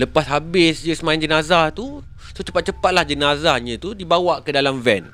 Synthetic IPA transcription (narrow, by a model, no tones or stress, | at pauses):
ləpasɦabɪsd͡ʒəsəmãand͡ʒənazaht̪u | sot͡ʃəpat̪̚t͡ʃəpat̪̚lahd͡ʒənazahɲə̃t̪udibawaʔkədalamvɛn